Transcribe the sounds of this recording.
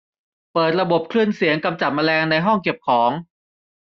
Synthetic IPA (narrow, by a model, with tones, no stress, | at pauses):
pɤː˨˩t̪̚ɾa˧bo˨˩p̚kʰlɯ˧˩ənsi˨˩˦əŋka˧mt͡ɕa˨˩t̪̚ma˧lɛː˧ŋna˧jɦɔ˥˩ŋke˨˩p̚kʰɔː˩˦ŋ